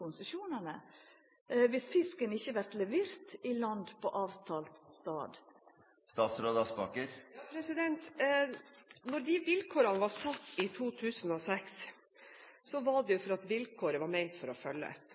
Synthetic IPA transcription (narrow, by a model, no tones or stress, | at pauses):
ʊnsəʃuːnənə | ʋɪsfɪskənɪçːəʋæɾt̪lɛʋeːɾt̪ɪlɑnd̪pʰɔʔɑːʋt̪ʰɑːlt̪ːt̪ɑ̰ːd̪ | st̪ɑːt̪sɾoːd̪ɑsbɑkəɾpʰɾɛsɪd̪ɛnt̪ | nɔɾd̪ɪʋɪlkʰoːɾɑnəʋɑɾsɑt̪ːɪt̪ʰuːt̪ʰʉːsən̩ɔsɛks | sɔʋɑɖɛjʊfɔɾɑt̪ʋɪlkʰoːɾəʋɑɾmæɪnt̪fɔɾɔfœlːə̰s